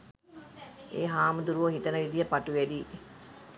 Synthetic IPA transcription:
eːɦaːmud̪uɾuʋoɦit̪ənəʋid̪ijəpaʈuʋæd̪iː

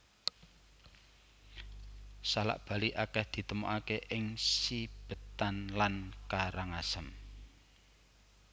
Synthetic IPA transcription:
sala̰ʔb̥ä̤liʔakɛhd̪̥i̤t̪əmoʔakeʔɪŋsib̥ə̤t̪anlankaɾaŋasəm

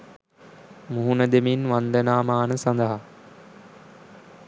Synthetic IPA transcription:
muɦunəd̪eminʋand̪ənaːmaːnəsand̪əɦa

